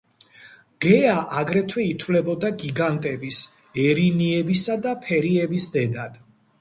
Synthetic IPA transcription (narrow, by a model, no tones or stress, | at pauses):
ɡ̥ɛaʔaɡɾɛt̪ʰwɛit̪ʰwlɛbɔd̪aɡiɡant̪ʼɛbis | ɛɾiniɛbisad̪apʰɛɾiɛbisd̪ɛd̪ad̪̥